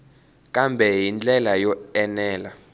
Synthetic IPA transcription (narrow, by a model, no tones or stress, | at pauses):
kʼambʱɛɦind͡ɮɛlajɔɛnɛːla